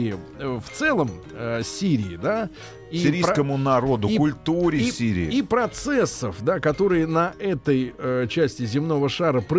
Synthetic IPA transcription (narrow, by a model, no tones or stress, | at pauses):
ɪɪ | əft̪sɛlˠəm | əsʲiɾʲɪɪd̪a | isɾʲijskəmʊnɐɾo̞d̪ʊkʊlʲt̪uɾʲɪsʲiɾʲɪ̰ːipɾɐt̪sɛsːəfd̪akɐt̪o̞ɾɨjənɐʔɛt̪əjət͡ɕæsʲtʲɪzʲɪmno̞vəʂaɾəpɾɨ